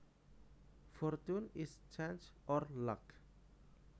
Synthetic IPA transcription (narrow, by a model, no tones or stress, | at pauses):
fɔɾtunist͡ʃẽnd͡ʒɔɾlak